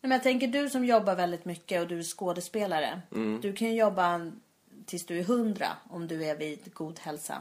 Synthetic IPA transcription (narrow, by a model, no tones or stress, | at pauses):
nɛmɛnjaɡ̚t̪ʰɛŋk̬əɖɵsɔmjɔbːaɾvɛld̪ɪt̪mʏkːəɔd̪ɵæʂkoːd̪əspeːlaɾə̰d̪̥ɵkʰanjɵjɔbːa | t̪ʰɪlsd̪ɵæɾɦɵnd̪ɾa̰ɔmd̪ɵævid̪ɡuːd̪hɛlsa̰